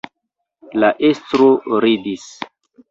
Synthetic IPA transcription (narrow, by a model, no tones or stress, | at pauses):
laʔestɾoɾidis